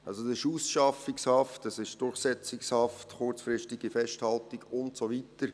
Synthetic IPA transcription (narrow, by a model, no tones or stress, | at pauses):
ɑlsodsɪʃusʃɑfɪkshɑftɑsɪʃd̥ʊrχsɛt͡sɪkshɑftχʊɾt͡sfɾɪʃtiɡ̥ifɛʃthɑltiɡʊntsovitəɾ